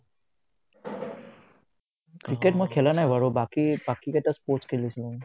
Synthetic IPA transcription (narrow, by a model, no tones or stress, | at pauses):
kɹiketmɔjkʰɛlanajbaɹɔbakibakikɛtaspɔskʰelisilɔ̃